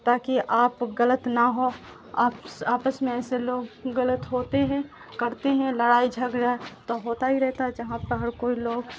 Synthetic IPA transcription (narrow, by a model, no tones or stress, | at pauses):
t̪aːkiʔaːpɡələt̪naɦoː | aːpsaːpəsmẽɛːseloːɡːələt̪ɦoːt̪eɦɛ̃ | kɐɾt̪eɦɛ̃ləɽaːid͡ʒʱɐɡd͡ʒaːet̪oɦoːt̪aɦiɾɛɦt̪aɦɛd͡ʒɐɦãpəɦɐɾkoːiloːɡ